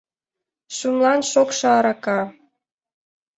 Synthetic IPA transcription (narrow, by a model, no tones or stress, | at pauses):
ʃumlɑnʃokʃɑɾɑkɑ